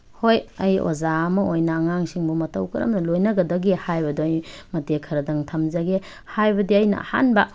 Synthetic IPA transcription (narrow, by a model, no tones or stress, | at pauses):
hojɐjo̰zaɐmɐʔojnɐːŋaŋsiŋbumɐtɐwkʰɐɾɐ̰mnɐlojnɐɡɐdɐɡehajbɐdoɐj | mɐtekʰɐɾɐdɐŋtʰɐmzɐɡe | hajbɐdiɐjnɐ̰ʔɐ̰ha̰nbɐ